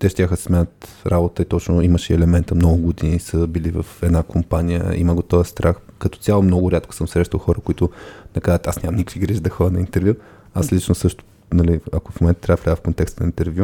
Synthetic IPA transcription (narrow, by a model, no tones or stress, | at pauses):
t̪ɛʃt̪ʲaxəssmɛnət̪ɾʔabot̪əit̪ɔt͡ʃnʊiməʃɛɛlɛmɛnt̪əmnɔɡʊɡod̪inisəbilivə̰fɛd̪nakʰompanijə̰ḭməɡot̪ɔvəst̪ɾʔaxkɐt̪ɔ̥t̪sʲalˠomnɔɡʊɾʲat̪ko̥sɤmsɾɛʃt̪ɐlˠxɔɾəkoit̪ʊnɛkazət̪asnʲaɐmnikiɡɾiʒd̪ɐxɔɾənɐint̪ɛɾvʲju | aslit͡ʃnosɤʃt̪ʊ̥ | nɐliɐkofmomɛnt̪ət̪ɾavvlʲaɡəfkont̪ɛkst̪ənəint̪ɛɾvju